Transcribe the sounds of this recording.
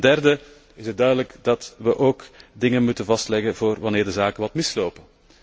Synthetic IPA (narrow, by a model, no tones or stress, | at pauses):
ndɛrdə | ɪsət̚dœɥdələkdɑtʋəʔoːkdɪŋənmutənvɑstlɛɣəvoːrʋɑnɪːrdəzaːkəʋɑtmɪsloːpə